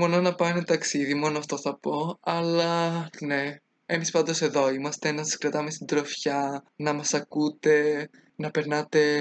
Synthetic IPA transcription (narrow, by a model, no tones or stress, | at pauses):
mononɐpɐenet̪ɐksiðimo̞noɐft̪o̞θɐpo̞ɐlɐne̞ | emispɐnd̪o̞se̞ðo̞imɐst̪e̞nɐsɐskɾɐt̪ɐme̞st̪id̪ɾo̞fçɐnɐmɐsɐkut̪e̞ | nɐpe̞ɾnɐt̪e̞